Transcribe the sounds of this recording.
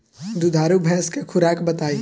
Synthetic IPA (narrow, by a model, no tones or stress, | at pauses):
d̪ud̪ʱaːɾubʱɛ̃skekʰʊɾaːkbɐt̪aːiː